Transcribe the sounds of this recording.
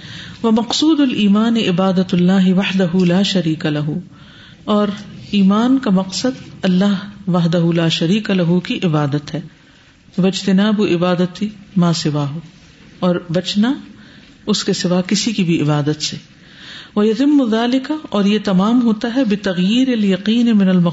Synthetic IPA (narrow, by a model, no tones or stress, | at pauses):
ʋɐmɐqsuːd̪ʊlʔiːmaːnɪʔɪbaːd̪ɐlːaːɦɪʋɐħd̪ɐɦulaːʃɐɾiːkalɐɦu | ɔːɾiːmaːnkamɐqsəd̪ɐlːaɦʋɐɦd̪ɐɦulaːʃɐɾiːkalɐɦukiʔɪbaːd̪ət̪ɦɛː | ʋɐɪd͡ʒt̪ɪnaːbʊʔɪbaːd̪ət̪imãːsɪʋaːɦoː | ɔːɾbɐt͡ʃna | ʊskesɪʋaːkɪsikibʱiɪbaːd̪ət̪se | ʋɐjɐt̪ɪmːʊðaːlɪkaɔːɾjet̪ɐmaːmɦoːt̪aɦɛbɪt̪ɐɣjiːɾɪljɐqiːnɪmɪnɐlmɐ